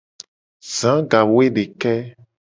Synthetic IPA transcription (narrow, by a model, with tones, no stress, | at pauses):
zã˨˦ɡa˨wo˦e˦ɖe˨kɛ˦